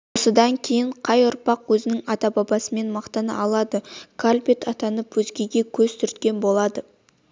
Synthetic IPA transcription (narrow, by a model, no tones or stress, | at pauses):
wo̞səd̪ɑŋkʲʰe̞jɪɴqʰɑjʊɾpɑqwɵzɪnɪŋɑt̪ɑbɑbɑsəme̞nmɑqt̪ɑnə̰ʔɑlˠɑd̪əkʰalʲpet̪ʰɑt̪ɑnəpwɵzɡʲe̞ɡʲe̞kʲʰɵzt̪ʰʏɾt̪kʲe̞nbo̞lˠɑd̪ə